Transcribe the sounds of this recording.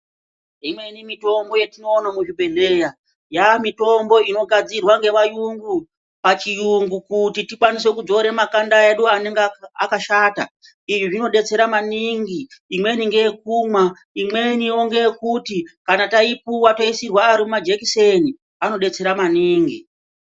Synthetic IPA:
imwe̞nimito̞mbo̞jetino̞ːnamuʐibʱe̞ne̞ːja | jamito̞mbo̞ino̞ɡʱad͡zirwaŋɡe̞ʋajuŋɡu | pat͡ʃijuŋɡukutitikwanis̬we̞kud͡zo̞ɾe̞makandae̞ɗuaneŋɡea̰kaʃaːta̰ | iʐiʐino̞ɗe̞t͡se̞ɾamaniŋɡiːmwe̞niŋɡe̞jek̚umwa | imwe̞nioŋɡe̞kutikanataipuwato̞isirwaːɾimumad͡ʒekiseni | ano̞ɗe̞t͡se̞ɾamaniːŋɡi

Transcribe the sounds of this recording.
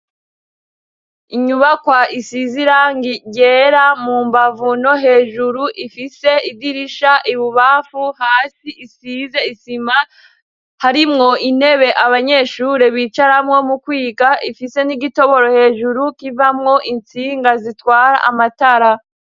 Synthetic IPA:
iɲuβakwaʔisiziɾaŋɡiɟe̞ːɾamuːmbavuno̞ɦe̞ːʒuɾuʔifise̞idiɾiʃaʔiβuβafuhaːsiʔisize̞isima | haɾimŋo̞ʔine̞βe̞ʔaβaɲe̞ʃuɾe̞βit͡ʃaɾamŋo̞mukwiːɡaʔifise̞niɡito̞βo̞ɾo̞he̞ːʒuɾukivamŋo̞ʔint͡siːŋɡazitwaːɾa̰ʔamataɾa

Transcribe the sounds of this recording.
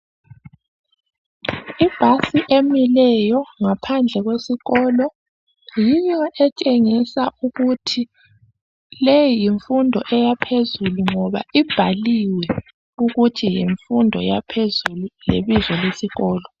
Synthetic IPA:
ib̥ʱasiʔemilɛjɔŋapʰand͡ɮʱɛɣwesiɣɔːlɔ | jijɔʔɛt͡ʃʼeŋisauɣutʰi | lejijiɱfundʱɔ̰ʔɛjapʰezuluŋɔβa̰ib̥ʱaliwɛ | uɣutʰijiɱfundʱɔ̰japʰezululeβizɔlesiɣɔːlɔ

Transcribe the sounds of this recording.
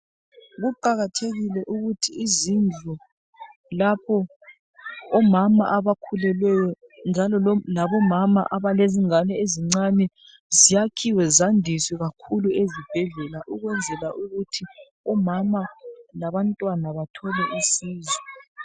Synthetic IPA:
ɣuǃaɣatʰeɣilɛʔuɣutʰiːzind͡ɮʱu | lapʰɔ | ɔmama̰ʔaβakʰulɛlwɛjɔ | nd͡ʒʱalɔlaβɔmama̰ʔaβaleziŋanɛeziŋ͡ǀanɛ | zijakʰiwɛzandʱiswɛɣakʰuluezib̥ʱɛɮɛlaʔuɣwɛnd͡zʱɛlaʔuɣutʰi | ɔmamalaβantʼwanaβatʰɔlɛʔisiːzwɛ

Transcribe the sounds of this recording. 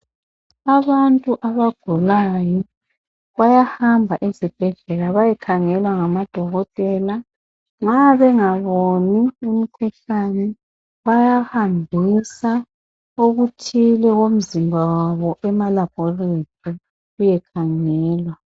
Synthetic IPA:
aβantʼuʔaβaɡ̥ʱulajɔ | ɣajahambʱaʔezib̥ʱɛɮɛlaβajɛkʰaŋɛlwaŋamad̥ʱɔɣɔtʼɛːla | ŋ͡ǁaβɛŋaβonium̩kʰɛɬanɛ | wajahambʱisa | uɣutʰilɛɣom̩zimbʱawaβɔʔɛmalab̥ʱɔletʰi | ujɛkʰaŋɛːlwa

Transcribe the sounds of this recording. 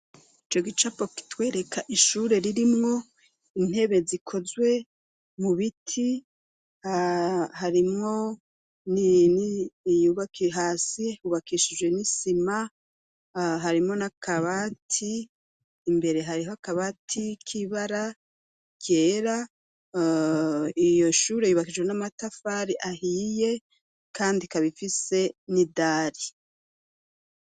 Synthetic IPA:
it͡ʃo̞ɡit͡ʃapo̞ki̥twe̞ːɾe̞kʰaʔiʃuːɾe̞ɾiɾimŋo̞ | in̥he̞βe̞zikʰo̞zwe̞ | muβitʰi | hahaɾimŋo̞ | ninijuβakiɦaːsiuβakiʃid͡ʒwe̞nisima | ɦaɾimŋo̞nakʰaβatʰiː | mbe̞ɾe̞ɦaɾihoakaβatʰikʰiβaɾa | ɟe̞ːɾa | ijo̞ʃuːɾe̞juːβakid͡ʒwe̞namatafaːɾiʔahije̞ | kaːndikaβifise̞nidaːɾi

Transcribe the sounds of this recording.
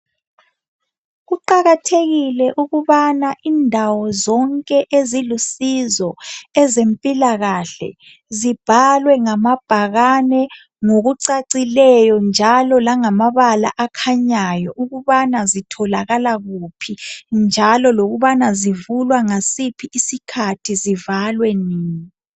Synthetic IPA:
ɣuǃaɣatʰeɣilɛʔuɣuβanaʔiːndʱawɔzɔŋkʼɛʔezilusizɔɛzempʼilaɣaɬɛ̰ | zib̥ʱalwɛŋamab̥ʱaɣanɛ | ŋoɣuǀaǀilɛjɔnd͡ʒʱalɔlaŋamaβala̰ʔakʰaɲajɔʔuɣuβanazitʰɔlaɣalaɣupʰind͡ʒʱalɔloɣuβanazivulwaŋasipʰiʔːsikʰatʰizivalwɛniːɲi

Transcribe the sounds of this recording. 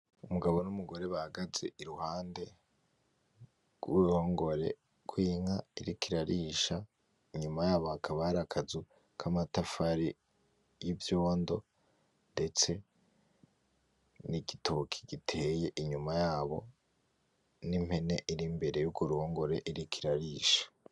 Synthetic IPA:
umuɡaβo̞numuɡo̞ɾe̞βahaɡaze̞iɾuhaːnde̞ | ɡ̥wuɾuho̞ːŋɡo̞ɾe̞̰ | kwiːŋaiɾikiɾaɾiːʃa | iɲumajaːβo̞hakʰaβaɾakʰazu | kʰamatafaɾi | jivjo̞ːndo̞ | nde̞t͡se̞ | niɡitʰokʰi̥ɡ̥itʰe̞je̞ʔiɲumajaːβo̞̰ | nim̥he̞ne̞ʔiɾimbe̞ɾe̞juɡuɾuhoːŋɡo̞ɾe̞ʔiɾikʰiɾaɾiːʃḁ

